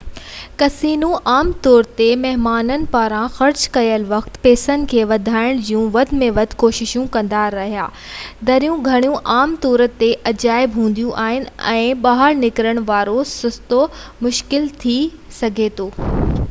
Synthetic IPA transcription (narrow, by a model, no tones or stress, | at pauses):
kɐsiːnũʔaːmt̪ɔːɾt̪emɐɦmaːnənɪ̆paːɾãxɐɾt͡ɕkɐjəlʋɐxt̪peːsənɪ̆kʰeːʋɐd̪ʱaːɪɽ̃d͡ʑijũʋɐd̪ʱmẽʋɐd̪ʱkoːʃɪʃũkɐ̃nd̪aɾɐɦijaː | d̪ɐɾijũɡʱɐɽ̃ijũʔaːmt̪ɔːɾət̪eʔɐd͡ʑaːɪbɦũːn̆d̪ijũʔaːɦɪn̆ɛ̰̃ːɓaːɦəɾnɪkɾəɽ̃ʋaːɾosʊst̪omʊʃkɪlt̪ʰi | sɐɡʱet̪ʰoː